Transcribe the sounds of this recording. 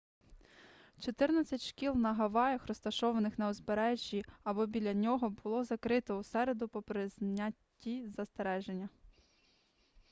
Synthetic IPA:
t͡ʃɔt̪ɪrnɐt͡sʲɐtʲʃkʲilˠnɐɦɐʋɑjɐxrɔst̪ɐʃɔʋɐnɪxnɐɔzbeɾɛʒʲːiɐbɔbʲilʲːɐnʲɔɦɔbʊlˠɔzɐkɾɪt̪ɔusɛɾe̞d̪ʊpɔpɾɪzʲnʲatʲːizɐst̪eɾɛʒenʲːɐ

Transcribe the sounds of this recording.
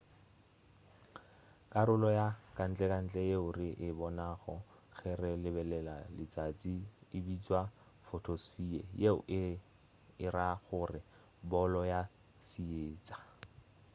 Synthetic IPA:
kʼaɾʊlɔjakʼan̩t͡ɬʼɛkʼan̩t͡ɬʼɛjeʊrɪʔɪbɔnaχɔ | ɣɛrɛlɪbɛlɛlalɪt͡sʼat͡sʼiːbit͡sʼwa | fotʰosfiɛjeʊʔɪ | ɪɾaɣʊrɪ | bɔlɔja | sieːt͡sʼḁ

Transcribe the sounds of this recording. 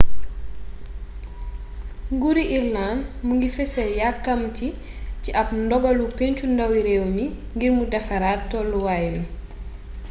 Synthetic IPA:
ɡuɾiʔilnaːnmuŋɡifɛsɐjakːɐmti | ciʔɐp̚ndɔɡɐlupeɲcundɐwiɾɛːwmiŋɡirmudɛfɐɾaːtːɔluwajmi

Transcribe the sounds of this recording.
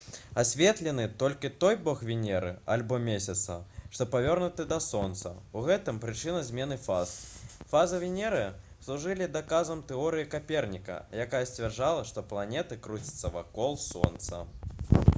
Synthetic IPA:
asʲvʲɛt̪lʲɛnɨt̪ɔlʲkʲit̪ɔjbɔxvʲinʲɛɾɨ̰alʲbɔmʲesʲɐt̪sɐ̰ʂt̪ɔpavʲɔrnut̪ɨd̪ɐsɔnt̪sɐ̰uɣɛt̪ɨmpɾɨt͡ʂɨnɐzʲmʲɛn̪ɨfazfazɐvʲinʲɛɾɨjɐ | slˠuʐɨlʲid̪akazɐmt̪ɛɔɾɨjikapʲɛrnʲikɐ̰jakajɐsʲt͡sʲvʲɛrʐalˠɐʂt̪ɔplˠanʲɛt̪ɨkɾut͡sʲi̥t̪sɐva̰kɔlˠsɔ̰nt̪sɐ̰

